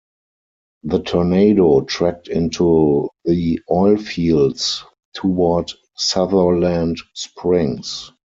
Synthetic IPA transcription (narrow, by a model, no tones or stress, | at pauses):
ðətʰɔneɪdoʊtʰɹæk̚tɪ̃ntʰuðiɔɪlfiːlds | tʰuwɔd | saðə˞læ̃ndspɹɪ̃ŋs